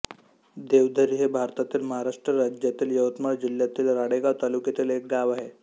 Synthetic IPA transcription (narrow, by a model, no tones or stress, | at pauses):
d̪eʋd̪ʱəɾiɦebʱaɾt̪at̪iːlməɦaɾaʂʈɾəɾad͡ʑjat̪iːljəʋət̪maɭd͡ʑiljat̪iːlɾaɽeɡaʋt̪alukjat̪iːlek̚ɡaʋaɦe